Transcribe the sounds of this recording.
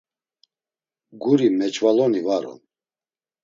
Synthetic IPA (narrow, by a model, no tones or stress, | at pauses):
ɡuɾimɛt͡ʃʰʼvalɔnivaɾɔ̰n